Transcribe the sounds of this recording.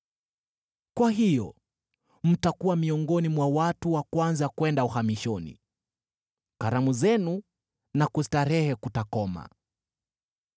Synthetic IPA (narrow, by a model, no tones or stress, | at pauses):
kwaɦijɔ | m̩takuwamiɔŋɡɔnimwawatuwakwanzakwɛndauhamiʃɔnḭ | kaɾamuzɛnu | nakusitaɾɛhɛkutakɔma̰